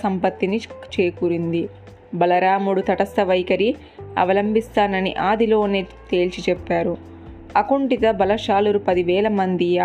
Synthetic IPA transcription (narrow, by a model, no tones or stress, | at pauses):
sɐmpɐt̪ːinit͡ʃeːkuːɾind̪i | bɐlɐɾaːmuɽut̪ɐʈɐst̪ɐʋɐjkɐɾi | ɐ̰ʋɐlɐmbist̪aːnɐnḭʔaːd̪ilo̞ːneː | t̪e̞ːlt͡ʃit͡ʃɛpːaːɾu | ɐkuɳʈit̪ɐbɐlɐʃaːluɾupɐd̪iʋɛːlɐmɐnd̪ia